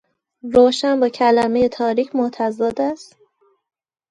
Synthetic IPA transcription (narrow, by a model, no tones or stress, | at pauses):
ɾoːʃænbɒːcʰælæme̞je̞t̪ʰɒːɾiːcʰmot̪ʰæzɒːd̪æst̪